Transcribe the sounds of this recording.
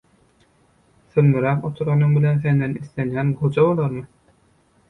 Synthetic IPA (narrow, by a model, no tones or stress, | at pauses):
θɯlmɯɾæːqot̪ʰuɾʁɑnɯŋbilenθend̪ɛnislenjæːnɡud͡ʒɑbolˠɑɾmɯ